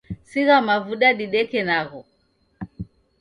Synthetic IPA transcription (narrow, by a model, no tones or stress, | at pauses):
siɣamavuɗaɗiɗɛkɛnaɣɔ